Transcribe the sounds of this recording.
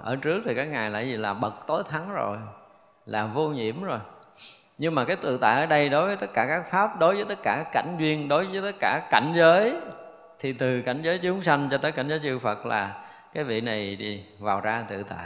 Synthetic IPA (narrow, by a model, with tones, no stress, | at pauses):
ʔəː˧˩t͡ɕɨ˦˥ək̚t̪ʰi˨˩kaː˦˥k̚ŋaː˨˩jla̰ː˧˨jzi˨˩laː˨˩ɓə˨˩t̚t̪o˨˦jt̪ʰa˨˦ŋzo˨˩j | laː˨˩vo˧ɲḭ˧˩əmzo˨˩j | ɲɨ˧ŋmaː˨˩kaː˨˦jt̪ɨ̰˧˨t̪a̰ː˧˨jʔəː˧˩ɗə˧jɗo˨˦jvəː˨˦t̪ə˦˥t̚kːaː˧˩kaː˦˥k̚faː˦˥p̚ɗo˨˦jvəː˨˦jt̪ə˦˥t̚kaː˧˩kːa˧˩jŋ̟zwi˧ənɗo˨˦jvəː˨˦jt̪ə˦˥t̚kaː˧˩ka˧˩jŋ̟zəː˨˦j | t̪ʰi˨˩t̪ɨ˨˩ka˧˩jŋ̟zəː˨˦jt͡ɕʊ˨˦ŋ͡msa˧jŋt͡ɕɔ˧t̪əː˨˦jka˧˩ŋ̟zəː˨˦jt͡ɕɨ˧ŋfə˨˩t̚la̰ː˨˩ | kaː˨˦jvḭ˧˨na˨˩jɗi˧vaː˨˩wzaː˧t̪ɨ̰˧˨t̪a̰ː˧˨